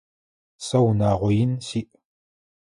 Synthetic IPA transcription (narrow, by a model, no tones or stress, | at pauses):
sɐwnaːʁʷɔjɪnsiːʔ